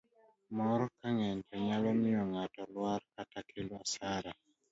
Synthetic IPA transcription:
mɔɾɔkaŋɛntʰɛɲalɔmɪɔŋatɔlwaɾkatakʰeloasaɾa

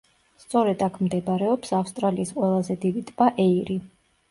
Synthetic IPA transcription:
st̪sʼɔɾɛd̪akʰmd̪ɛbɾɛɔpsafst̪ʼɾaliːsqʼwɛlˠazɛd̪id̪it̪ʼb̥aʔɛiɾi

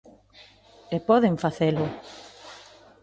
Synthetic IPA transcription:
epɔðeɱfaθelʊ

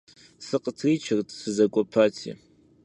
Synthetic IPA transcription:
sɨqʼətʰrit͡ʃʰɐrtʰʼsɨzakʷʼɔpʰatʰḭ

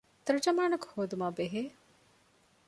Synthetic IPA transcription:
t̪ɐɾud͡ʒɐmaːnɐku̥hoːd̪umaːbeɦeː

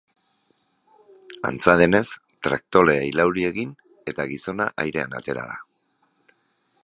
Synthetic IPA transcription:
a̰nt͡saðene̞s | t̪ɾa̰k̚t̪o̞le̞ajlawɾie̞ɣin | e̞t̪aɣiso̞naʔajɾe̞a̰na̰t̪e̞ɾa̰ða

